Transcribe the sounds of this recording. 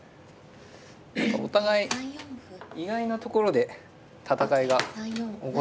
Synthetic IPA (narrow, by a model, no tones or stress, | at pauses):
akao̰t̪aɡai | iɡainat̪o̞ko̞ɾo̞d̪e̞ | t̪at̪akaiɡao